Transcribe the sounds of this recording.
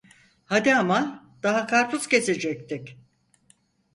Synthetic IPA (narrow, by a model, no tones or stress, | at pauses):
had̪iaman | d̪̥aɦakʰaɾpʰuz̥ce̞se̞d͡ʒɛc̚t̪ʰɪc